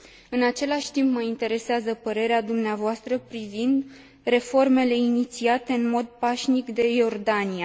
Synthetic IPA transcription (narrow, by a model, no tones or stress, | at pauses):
ɨnat͡ʃe̞laʃʲt̪impməint̪e̞ɾe̞seazəpəɾe̞ɾead̪umneavoast̪ɾəpɾivind̪ | re̞fo̞rme̞le̞init̪siat̪e̞ɨnmo̞d̪̚paʃnikd̪e̞jo̞rd̪anije